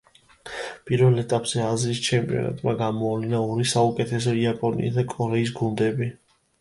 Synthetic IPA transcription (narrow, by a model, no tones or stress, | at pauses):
pʼiɾvɛlɛt̪ʼapʼz̥ɛaziːst͡ʃʰɛmpʼiɔ̰na̰t̪ʼmaɡamɔavlinaɔɾisaukʼɛt̪ʰɛs̬ɛiapʼɔnḭːsd̪akʼɔɾɛis̬ɡund̪ɛbi